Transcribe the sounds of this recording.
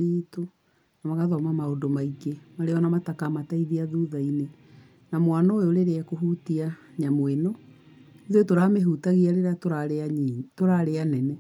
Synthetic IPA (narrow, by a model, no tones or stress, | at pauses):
iːto | namaɣaðɔmamaodomaikemaɾeɔnamatakamataiðiaðuːðaine | namwanɔooɾeɾeakoɦutiaɲamwenɔ | iðwetoɾameɦutaɣiaɾeɾatoɾaɾeatoɾaɾeanɛnɛ